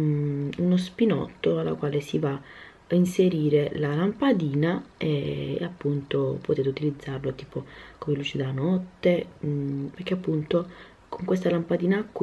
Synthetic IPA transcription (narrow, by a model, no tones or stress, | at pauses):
unospinɔ̰t̪ːoalːa̰kwaːlesiva | inseɾiːɾelalampad̪iːnaḛːapːunt̪opot̪eːt̪eut̪ilid̪zːarlot̪iːpokomeluːt͡ʃid̪anɔt̪ːe | perk̟eapːunt̪o | kʰoŋkwest̪alampad̪iːnaːkː